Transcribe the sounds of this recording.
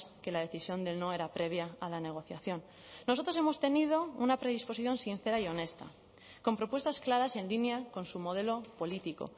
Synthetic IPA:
ske̞laðe̞θisjo̞nd̪e̞lno̞e̞ɾapɾe̞β̞jaalane̞ɣ̞o̞θja̰θjo̞nː | oso̞t̪ɾo̞se̞mo̞st̪e̞nið̞o̞unapɾe̞ðispo̞s̬iθjo̞nsin̟θe̞ɾaio̞ne̞st̪a̰ | ko̞mpɾo̞pwe̞st̪asklaɾase̞nlinjako̞nsumo̞ð̞e̞lo̞po̞lit̪iko̞̰

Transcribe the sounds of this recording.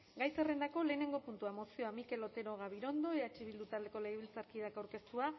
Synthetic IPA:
ɡajt͡se̞re̞nd̪ako̞le̞ːne̞ŋɡo̞punt̪uamo̞sio̞amike̞lo̞t̪e̞ɾo̞ɣ̞aβiɾo̞nd̪o̞eat͡ʃiβild̪ut̪ald̪eko̞leɣiβilt͡saɾkið̞akawɾke̞st̪ua

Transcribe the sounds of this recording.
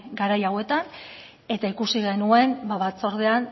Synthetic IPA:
ɡaɾajawe̞t̪an | e̞t̪aikusiɣe̞nue̞mbaβat͡so̞ɾð̞e̞an

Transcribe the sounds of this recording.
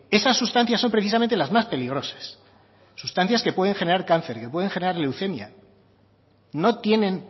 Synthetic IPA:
e̞sasːust̪ãn̟θjasːo̞mpɾeθis̬ament̪elazmaspe̞liɣ̞ɾo̞sḁsː | ust̪anθjaske̞pwe̞ð̞e̞ŋxe̞ne̞ɾaɾkan̟θe̞ɾke̞pwe̞ð̞e̞ŋxeneɾaɾlewθe̞mja̰ | no̞t̪je̞nẽ̞n

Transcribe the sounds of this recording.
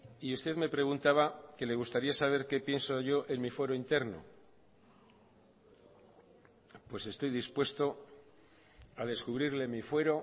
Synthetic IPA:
iust̪e̞ðme̞pɾe̞ɣ̞unt̪aβake̞le̞ɣ̞ust̪aɾiasaβ̞e̞ɾke̞pje̞nsoʝo̞ʔenmifwe̞ɾoint̪e̞ɾno̞̰ | pwe̞se̞st̪o̞jðispwe̞st̪o̞ | að̞e̞skuβɾiɾle̞mifwe̞ɾo̞

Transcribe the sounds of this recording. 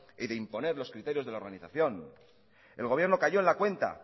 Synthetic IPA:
iðeimpo̞ne̞ɾlo̞skɾit̪e̞ɾjo̞zðe̞laoɾɣaniθaθjo̞n | e̞̰lɣoβjeɾno̞kaʝo̞enlakwe̞nt̪a̰

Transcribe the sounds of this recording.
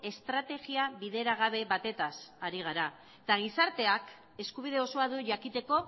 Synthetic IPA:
e̞st̪ɾat̪e̞ɣiaβiðe̞ɾaɣ̞aβ̞e̞βat̪e̞t̪asaɾiɣ̞aɾa | et̪aɣ̞isaɾt̪e̞ak | e̞skuβ̞ið̞e̞o̞so̞aðuʝakit̪e̞ko̞

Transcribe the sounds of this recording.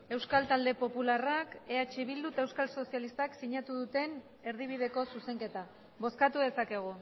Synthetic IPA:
e̞wskalt̪ald̪e̞po̞pularake̞at͡ʃiβild̪ut̪aewskalso̞sialist̪aksiɲat̪uðut̪e̞n | e̞ɾð̞iβ̞iðe̞ko̞suse̞ŋke̞t̪a | βo̞skat̪uðe̞sake̞ɣ̞u

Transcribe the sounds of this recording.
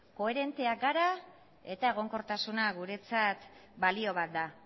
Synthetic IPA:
ko̞e̞ɾe̞nt̪e̞aɡaɾa | e̞t̪ae̞ɣ̞o̞ŋko̞ɾt̪asunaɣuɾe̞t͡sat̪balio̞β̞at̪̚d̪a

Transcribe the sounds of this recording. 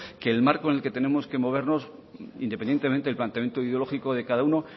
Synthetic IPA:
ke̞ːlmaɾkone̞lke̞t̪e̞ne̞mo̞ske̞mo̞β̞e̞ɾno̞sḭnd̪epend̪jet̪eent̪eelplant̪eamjent̪oiðeolo̞xikoðekaðauno

